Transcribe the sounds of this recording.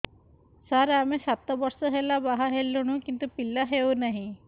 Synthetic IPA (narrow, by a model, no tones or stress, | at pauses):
saɾamesat̪ɔbɔɾsɔɦelabaɦaɦelːuɽ̃ũkint̪upilːaɦewnaɦĩ